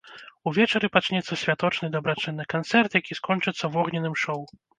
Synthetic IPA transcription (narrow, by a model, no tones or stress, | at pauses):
uvʲɛt͡ʂɐɾɨpat͡ʂnʲɛt̪sːɐsʲvʲat̪ɔt͡ʂnɨd̪ɐbɾat͡ʂɨnːɨkant̪sɛrt̪jakʲiskɔnt͡ʂɨt̪sːɐvɔɣnʲɛnɨmʂɔw